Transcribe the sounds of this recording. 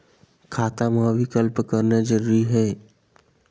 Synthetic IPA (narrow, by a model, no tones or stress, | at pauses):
kʰaːt̪amãʋɪkəlpkəɾned͡ʒəɾuɾiɦɛː